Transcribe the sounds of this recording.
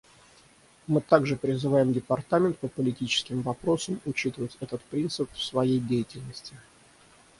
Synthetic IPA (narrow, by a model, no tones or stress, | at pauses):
mɨt̪aɡʐɨpɾʲɪzɨvajɪmdʲɪpɐrt̪amʲɪnt̪̚pəpəlʲɪtʲit͡ɕɪ̥skʲɪmvɐpɾo̞səmʊt͡ɕit̪əvətʲɛt̪ət̪pɾʲint̪sɨpfsvɐjejdʲejɪtʲɪlʲnəsʲtʲɪ